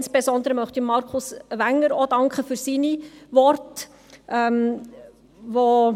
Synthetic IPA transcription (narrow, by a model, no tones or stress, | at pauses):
nsb̥ezɔnd̪əɾəmœχtimɑɾkʰʊsʋæŋːəɾodɑŋkχəfyɾsinivɔrt | ʔɛm | ʋo